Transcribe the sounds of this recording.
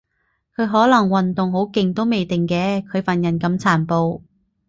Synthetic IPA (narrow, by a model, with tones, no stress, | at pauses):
kʰɵ˨˧ɥɦɔː˨˥lɐ˨˩ŋwɐ˨nt̪ʊ˨ŋɦo˨˥wkɪ˨ŋt̪o˥wme˨˧jt̪ɪ˨ŋkɛː˧kʰɵ˨˧ɥfɐ˨˩njɐ˨˩nkɐ˧mt͡sʰaː˨˩npo˧w